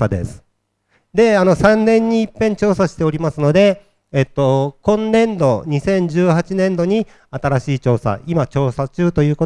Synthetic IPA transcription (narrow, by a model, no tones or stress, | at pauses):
ad̪e̞̰sɨ̥ | d̪e̞ano̞sãnnẽ̞ɲ̟ːiːpːẽ̞ɲt͡ɕo̞ːsaɕi̥t̪e̞o̞ɾʲimasɨno̞d̪e̞ | et̪ːo̞kõ̞nːẽ̞nd̪o̞ɲ̟isẽ̞ɲ̟d͡ʑɨːhat͡ɕinẽ̞nd̪o̞ɲ̟i | at̪aɾaɕiːt͡ɕo̞ːsa̰imat͡ɕo̞ːsat͡ɕɨːt̪o̞jɯ̟ːko̞